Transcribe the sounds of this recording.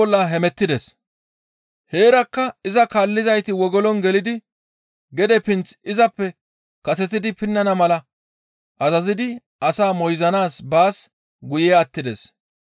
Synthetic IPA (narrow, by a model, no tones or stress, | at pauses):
ɔlːɐɦɛmɛt̪ːɪd̪ɛs | he̞ːɾɐkːɐɪzɐkaːlːɪzɐjt̪ɪwɔɡɔlɔnɡɛlɪd̪ɪ | ɡɛd̪ɛpɪnt͡sɪzɐpːɛ | kɐsɛt̪ɪd̪ɪpɪnːɐnɐmɐlɐ | ʔɐzɐzɪd̪ɪ | ʔɐsaːmɔjzɐnaːsbaːs | ɡʊjɛɐt̪ːɪd̪ɛs